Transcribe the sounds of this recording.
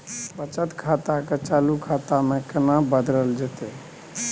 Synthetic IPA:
pət͡ʃət̪kʰat̪aket͡ʃalukʰat̪amekənabəd̪ɾəld͡ʒet̪ɛ

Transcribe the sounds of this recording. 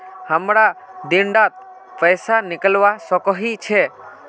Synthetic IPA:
həmɾad̪ɪɳɖat̪̚ | pəjsanɪkəlʋasɔkɔɦit͡ʃʰe

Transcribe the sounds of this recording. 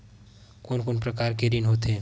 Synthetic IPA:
konkonpɾəkaɾkeɾinɦot̪ɦẽ

